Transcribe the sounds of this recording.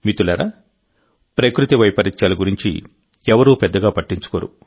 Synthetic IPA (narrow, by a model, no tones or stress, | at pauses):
mit̪ulɐɾa̰ | pɾɐkɾut̪iʋɐjpɐɾit͡ʃːaːlɐɡuɾiɲt͡ʃḭ | ɛʋɐɾuːpɛd̪ːɐɡaːpɐʈːiɲt͡ʃu̥koːɾṵ